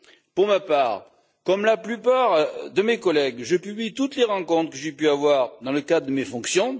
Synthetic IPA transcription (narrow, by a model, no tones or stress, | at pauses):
puʁmapaːʁ | kɔmlaplypaʁd̪əmekɔlɛɡʒəpyblit̪ut̪leʁɑ̃kɔ̃t̪χəkəʒepyavwaʁd̪ɑ̃ləkad̪ʁəd̪əmefɔ̃ksjɔ̃